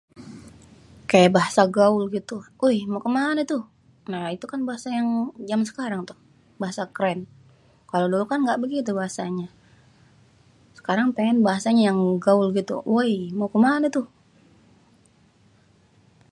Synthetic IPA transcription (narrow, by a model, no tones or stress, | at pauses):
kajabaɦasaɡaʊlɡit̪u | ojmakəmanət̪ʊh | nait̪ukanbaɦasajaŋd͡ʒamsə̥kaɾaŋt̪ʊh | baɦasakɾɛn | kalodolukanɡaʔbəɡit̪̬ubaɦasaɲa | sə̥kaɾaŋpeŋɛnbaɦasaɲajaŋɡaʊlɡit̪ṵwojmokəmanət̪ʊh